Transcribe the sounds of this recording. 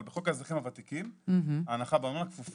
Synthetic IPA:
lbeχokazʁiχimavat̪ikimaːnaχabemanakfuf

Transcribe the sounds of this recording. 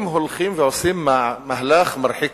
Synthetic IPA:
mɦʊlxiːmvɪʕʊsˤiːmːaʕmahlaːxmɑɾˤħɪk

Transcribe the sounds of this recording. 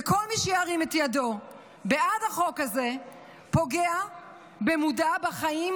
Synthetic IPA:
eko̞lmiʃejaʁimetjado̞ | beʔadhaχo̞khaze | po̞ɡea | bemudabaχaim

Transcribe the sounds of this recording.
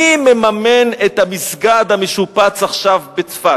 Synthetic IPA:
imemamenet̪hamisɡad̪hameʃupat͡saχʃavbet͡sfa

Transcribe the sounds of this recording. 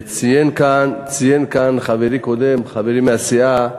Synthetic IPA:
t͡sijenkant͡sijenkanχaveɾikod̪emχaveɾimeasia

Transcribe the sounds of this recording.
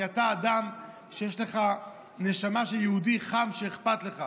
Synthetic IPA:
ataːdam | ʃejeʃle̞χa | ne̞ʃamaʃeljehudiχamʃeːχpatle̞χa

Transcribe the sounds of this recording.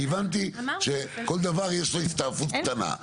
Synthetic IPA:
ivant̪it͡ʃɛkɔld̪avaɾjesɔjθt̪afut̪ana̰

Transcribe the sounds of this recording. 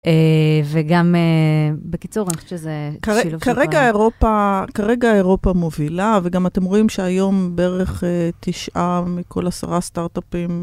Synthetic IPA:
eveɡamebekit͡suʁanieʃezekaekaʁeɡaeʁo̞pakaʁe̞ɡaeʁo̞pamovilaveɡamate̞mʁo̞imʃeajo̞mbeeʁeχet̪iʃʔamikʰo̞̰lasa̰ʁast̪aʁt̪apim

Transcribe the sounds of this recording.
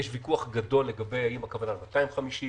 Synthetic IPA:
eʃvikuaχɡado̞lːe̞ɡabe̞jajimakavanalmat̪aimχamiʃi

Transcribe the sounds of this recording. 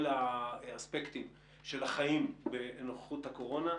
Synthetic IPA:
laaspekt̪im | ʃe̞laχaimbenoχe̥χuthako̞ʁo̞na

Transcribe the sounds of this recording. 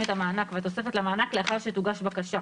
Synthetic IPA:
etamaːnakveat̪̬o̞se̞fetlamaːnakleaχaʁʃet̪uɡaʃbakaʃa

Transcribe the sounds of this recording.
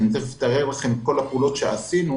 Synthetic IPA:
mnzeift̪aʁeʁlaχe̞mko̞lapeulo̞t̪ʃeasinu

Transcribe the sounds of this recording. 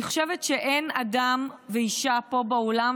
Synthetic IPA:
iχʃevetʃeʔenadamveiʃapo̞baolam

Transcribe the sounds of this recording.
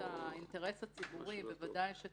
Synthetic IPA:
ainteʁe̞shat͡sibuʁivevadajʃe

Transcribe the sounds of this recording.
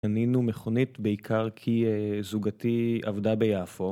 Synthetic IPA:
aninumeχo̞nitbeikʰaʁkʰizuɡatia̰vdabejaːfo

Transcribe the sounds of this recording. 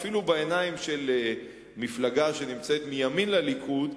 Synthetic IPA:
filubeenaimʃe̞l | miflaɡaʃe̞nimt͡set̪mijaminlalikʰud̪

